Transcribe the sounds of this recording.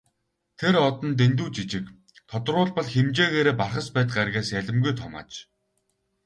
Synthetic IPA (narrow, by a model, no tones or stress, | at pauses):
t̪ʰeɾɔt̪ɞ̆nt̪̬ent̪̬uːt͡ɕit͡ɕɪ̆k | t̪ʰɔt̪̆rʊːɮpɔɮxemt͡ɕeːɣeːɾeːparχə̆spæːt̪̚ɢarɣʲeːsæɮʲɪ̆mɡujt̪ʰɔma̰ːt͡ɕ